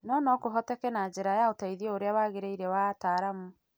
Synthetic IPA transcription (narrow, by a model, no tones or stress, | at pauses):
nɔnɔkoɦɔtɛkɛnad͡ʑɛɾajaotaiðiɔoɾeawaːɣeɾeiɾɛwataːɾamu